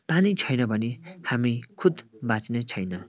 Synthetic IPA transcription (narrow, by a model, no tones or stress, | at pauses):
panit͡sʰʌjnʌbʱʌnehamikʰud̪bat͡snet͡sʰʌjnʌ